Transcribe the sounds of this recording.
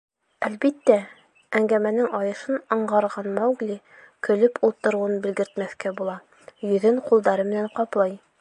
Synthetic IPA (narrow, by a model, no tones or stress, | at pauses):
ælbit̪ːæ | æŋɡæmænɘŋɒjɤ̆ʃɤnɤ̆ɴɢɑɾʁɑnmæwɡli | kɵ̆lɵpʰulˠt̪ɤ̆ɾuwɤnbɘ̆lɡɘ̆ɾt̪mæθkæbulˠɑ | jɵ̆ðɘɴqulˠd̪ɑɾɤmɘ̆næɴqɑplˠɑj